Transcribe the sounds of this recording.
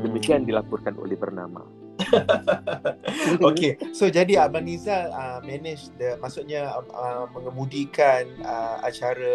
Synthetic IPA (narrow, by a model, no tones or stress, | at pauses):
dəmikiandilapʊrkano̰lɛhbərna̰ma̰ | okesod͡ʒadiabanizaəmɛnɪd͡ʒdəmasʊʔ̚ɲaəməŋəmũdikanəa̰t͡ʃaɾə